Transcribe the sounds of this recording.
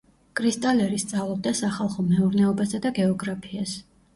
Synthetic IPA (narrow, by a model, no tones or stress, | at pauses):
kʼɾist̪ʼalɛɾist̪sʼavlˠɔb̚d̪asaχalˠχɔmɛuɾnɛɔbasad̪aɡɛɔɡɾapʰias